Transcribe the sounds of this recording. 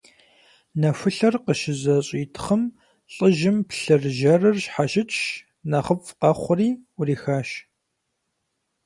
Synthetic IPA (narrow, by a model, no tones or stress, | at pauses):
nɐfɨɬɐrqəʃɪzɐɕʼiːtʰχəm | ɬʼəʒɪmpɬɨrʒɐrɨrɕħaʃɪt͡ʃʼʃ | nɐʁəpʼqɐχʷʊriːʊriːxaːʃ